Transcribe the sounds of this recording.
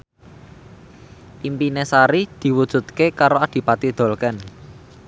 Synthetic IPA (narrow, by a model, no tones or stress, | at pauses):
ʔimpinesaɾid̪̥i̤wud̥ʒ̥ṳt̪̚kekaɾoad̪̥i̤pat̪id̪̥o̤lkɛn